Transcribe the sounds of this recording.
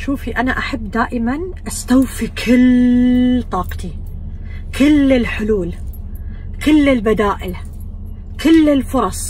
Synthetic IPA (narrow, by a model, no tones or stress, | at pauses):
ʃuːfiʔanaʔaħabːd̪aːʔɪmanʔast̪awfikʰɪl | t̪ˤɑːqt̪i | kʰɪlːɪlħʊluːl | kɪlːɪlbad̪aːʔɪl | kɪlːɪlfʊɾˤɑsˤ